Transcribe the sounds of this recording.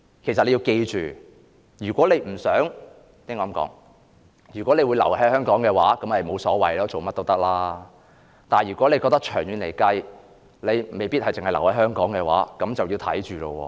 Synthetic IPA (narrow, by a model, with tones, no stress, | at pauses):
kʰe˨˩js̬ɐ˨le˨˧ji˧wke˧jt͡ʃy̰ː˨ | jyː˨˩kʷɔː˨˥le˨˧jm̩˨˩sœː˨˥ŋ | t̪i˨˥ŋɔː˧˥mkɔ̰ː˨˥ŋ | jyː˨˩kʷɔ˨˥le˨˧jwuː˨˧lɐ˨˩whɐ˨˥jhœː˥ŋkɔː˨˥ŋkɛː˧waː˨˥kɐ˨˥mhɐ˨jmo˨˧wsɔː˨˥wɐ̰˨jlɔː˥t͡so˨wmɐ˥t̚t̪o˥wt̪ɐ˥k̚laː˥ | t̪aː˨˩jyː˨kɔː˨˥le˧kɔː˧k̚t̪ɐ˥k̚t͡ʃʰœː˨˩ŋjyː˨˧nle˨˩jkɐ˧j | le˨˧jme˨jpi˥t̚hɐ˨jt͡sɪ˨ŋhɐ˨˩lɐ˨˩whɐ˨˥jhœː˥ŋkɔː˨˥ŋkɛː˧wa̰ː˨˥kɐ˨˥mt͡sɐ˨wjiː˧t̪ʰɐ̰˨˥jt͡ʃyː˨˩lo˧wɔ̰ː˧